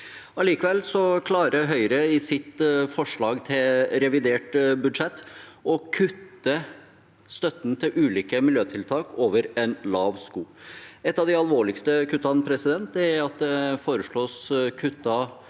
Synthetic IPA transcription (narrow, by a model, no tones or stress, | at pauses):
ɑliːkəʋɛlːsɔkʰlɑːɾəɦœʏɾəɪsɪt̪fɔʂɭɑːɡt̪ʰɪlɾɛʋɪd̪eːʈbʉd̪ʂɛt̪ːɔkʰʉt̪ːə | st̪œt̪ːnt̪ʰɪlʔʉːliːkəmɪljøːt̪ʰɪlt̪ʰɑːkoːʋəɾɛnlɑːʋskuːɛt̪ːɑːʋd̪ɪɑlʋoːɭɪkst̪əkʰʉt̪ːɑnpʰɾɛsɪd̪ɛnt̪̚d̪ɛæɾɑt̪̚d̪ɛfoːɾəʂɭoːskʰʉt̪ːɑ